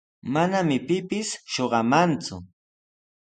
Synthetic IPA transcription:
manamɪpɪpɪsʃoɢɑmant͡sʊ̰

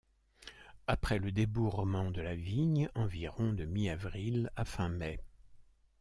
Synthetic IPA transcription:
apχɛləd̪ebuʁɔmɑ̃d̪əlaviɲɑ̃viʁɔ̃d̪əmiavʁilafɛ̃mɛ

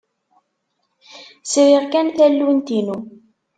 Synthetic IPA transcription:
sɾɪʁkænθælːwənt̪inu

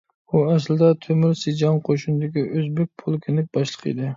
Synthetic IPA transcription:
uæslɪd̪ɛt̪ʰømɪɾsɪd͡ʒɑnqʰoʃʊnd̪ɪɡʲiʔøzbek̚ʲpʰʊlˠkʲʰɪnɪp̚bɑʃlˠəqʰḛd̪ɪ

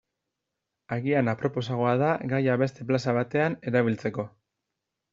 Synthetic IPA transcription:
aɣianapɾo̞po̞saɣ̞oaðaɣajaβe̞st̪e̞plasaβat̪e̞ane̞ɾaβ̞ilt͡se̞ko̞

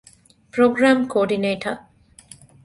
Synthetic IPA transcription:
pɾoːɡɾaːmkʰoːɖineːʈʰə

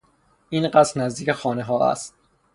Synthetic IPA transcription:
ʔiːnɢæt̪ɾnæzd̪iːcʰexɒːneɦɒːæ̰st̪̚

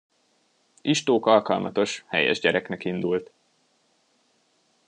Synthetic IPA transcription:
ʔiʃt̪oːkɒlkɒlmɒ̰t̪o̞ʃhɛ̰jɛ̰ʒɟɛɾɛknɛkind̪ult̪

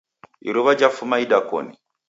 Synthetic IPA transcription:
ḭɾuʋad͡ʒafumaidako̰ni

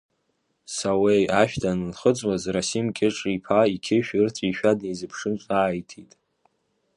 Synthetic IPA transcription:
sawejaʃᶣdanɨnχət͡sʼwazrasimkʲʰʼɪʈ͡ʂʼipʰaikʲʰɪʃᶣɨrtʰʼiʃᶣadnejzɨpʰʂɨnt͡ʃʷʼaːjtʰitʼ

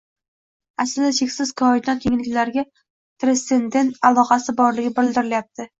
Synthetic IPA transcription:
aslɪd̪aʃʰekʲsɪz̥kʰɒɒd͡ʒnakʲʰeŋʲɪlɪkʲlaɾɡʲa | t̪ʰɾest̪e̞nd̪e̞nt̪alˠɒqɑsɪbɒɾlɪɡʲɪbɪlld̪ɪɾɪlajap̚t̪ʰɪ

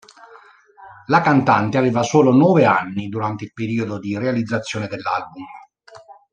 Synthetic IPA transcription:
lakant̪a̰nt̪eaveːvasoːlonɔːvea̰nːid̪uɾant̪eilpeɾiːod̪od̪irealid̪zːat̪sːjoːned̪elːa̰lbum

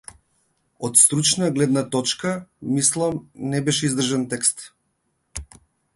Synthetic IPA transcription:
ot̪st̪ɾut͡ʃnaɡlɛd̪nat̪ɔt͡ʃkamislˠamnɛbɛʃɛizd̪r̩ʒɛnt̪ɛkst̪

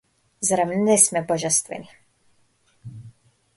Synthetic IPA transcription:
zɾamnɛsmɛboʒast̪ʋɛ̰ni

